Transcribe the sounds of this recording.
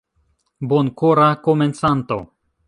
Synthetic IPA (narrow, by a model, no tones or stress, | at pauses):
bonkoɾakoment͡sant̪o̞̰